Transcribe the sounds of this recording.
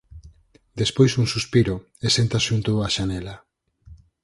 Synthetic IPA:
d̪espojsuŋsuspiɾo | esent̪aʃunt̪oaʃanela

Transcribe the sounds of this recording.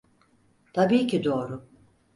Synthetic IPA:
t̪ʰabiːcʰid̪o̞ːɾʊ

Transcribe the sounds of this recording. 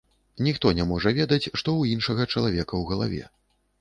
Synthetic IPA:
nʲixt̪ɔnʲɛmɔʐɐvʲɛd̪ɐt͡sʲʂt̪ɔwinʂɐɣɐt͡ʂɐlˠavʲɛkɐwɣɐlˠavʲɛ̰

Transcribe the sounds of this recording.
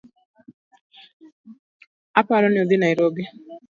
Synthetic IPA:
apaɾɔnɪoðɪnajɾobi

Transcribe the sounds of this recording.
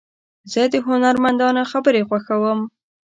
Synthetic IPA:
zəd̪əɦʊnaɾmand̪ɑnaxabəɾexwaxawəm

